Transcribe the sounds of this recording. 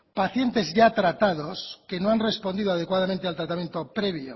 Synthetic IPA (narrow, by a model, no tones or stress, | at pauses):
paθje̞nt̪e̞zʝat̪ɾat̪aðo̞ske̞noanre̞spo̞nd̪iðoað̞ekwað̞amẽnt̪ealt̪ɾat̪amje̞nt̪o̞pɾeβjo̰